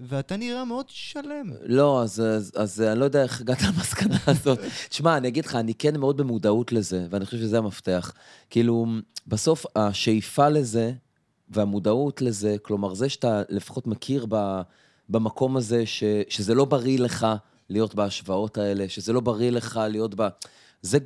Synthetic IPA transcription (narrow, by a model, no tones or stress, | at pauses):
veat̪aniʁameod̪ʃalemlo̞azzazanilojodeaeχaɡat̪aamaskanaːzo̞ttʃmaːniaɡid̪leχaːnike̞nmeo̞d̪̚be̞mudautle̞ze̞veanixχoʃevʃezejamaft̪e̞aχ | kiːlubaso̞faʃejfale̞ze̞ | veamudautle̞ze̞klo̞maʁzeʃatale̞fḁχo̞tmakʰiʁba | bamako̞maze̞ʃe̞ʃeze̞lo̞baʁile̞χa | lijo̞tbaaʃvao̞tae̞le̞ʃeze̞lo̞baʁile̞χalijotba | ze